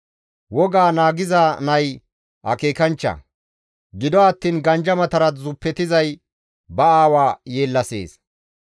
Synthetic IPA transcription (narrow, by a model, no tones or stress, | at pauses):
wɔɡaːnaːɡɪzanɐj | ʔɐ̰keːkɐnt͡ʃːɐ̰ | ɡɪd̪ɔɐt̪ːiːnɡɐnd͡ʒɐmɐt̪ɐɾɐt̪zʊpːɛt̪ɪzɐj | bɐaːwaːjeːlːɐse̞̰ːs